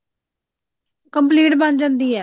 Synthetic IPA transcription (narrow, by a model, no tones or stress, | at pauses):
kəmpliːʈbənd͡ʒə̃nd̪iːɛː